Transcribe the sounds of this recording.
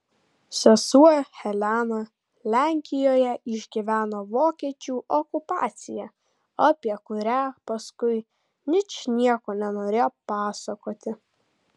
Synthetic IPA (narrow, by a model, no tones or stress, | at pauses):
sʲɛsuɔxʲɛlʲæːnɐ | lʲæŋʲkʲɪjoːjɛʔɪʒʲɡʲiʋʲæːnoːʋoːkʲiɛt͡ʃʲuːʔɔkʊpɑ̰ːt̪sʲɪjɛ | ɐpʲiɛkʊɾʲæːpɐskʊɪ | nʲɪt͡ʃnʲiɛkoːnʲɛnoːɾʲeːjoːpɑːsɐkoːt̪ʲɪ